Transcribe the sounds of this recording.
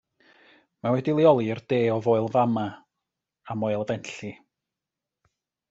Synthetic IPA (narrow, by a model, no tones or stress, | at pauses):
mawɛdilˠiɔlˠiərd̥eːɔvoːɨlˠvama | amoɨlˠvɛnɬi